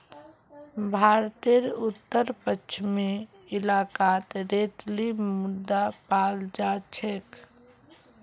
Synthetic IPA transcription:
bʱaɾt̪eɾut̪ːəɾpəkt͡ʃʰme | ɪlakat̪ɾet̪limud̪ːapald͡ʒat͡ʃʰek

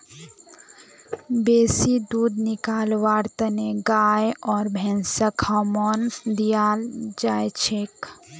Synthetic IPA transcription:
beːsid̪uːd̪nɪkaːlʋaːɾt̪əneɡaːjɔːɾbʱɛ̃ːnsəkhɔmɔːnd̪ijaːld͡ʒaːjt͡ʃʰeːk

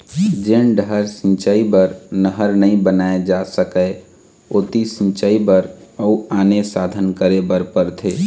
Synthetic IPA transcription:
d͡ʒeːnɖəɾsɪ̃nt͡ʃaːibəɾnəɦəɾnəĩbənaːed͡ʒasəkə | oːt̪isɪ̃nt͡ʃaːibəɾəuaːnesaːd̪ʱənkəɾebəɾpəɾt̪ʰeː

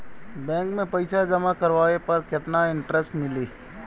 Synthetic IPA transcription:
bɛ̃ːŋkmẽpɐɪsʰad͡ʒɐmakɐɾʋaːepɐɾkɪt̪naɪ̃ɳʈɾəsʈmɪleː

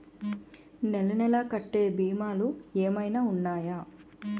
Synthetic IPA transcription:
nɛlɐnɛlɐkɐʈːe̞ːbiːmaːlueːmɐjnaːunːaːjaː

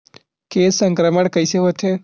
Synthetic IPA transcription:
keːsəŋkɾəməɳkəjseɦot̪ʰe

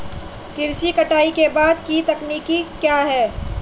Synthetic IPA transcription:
kɪɾʃikɐʈaːikebaːd̪kit̪ɐkniːkikjaːɦɛː

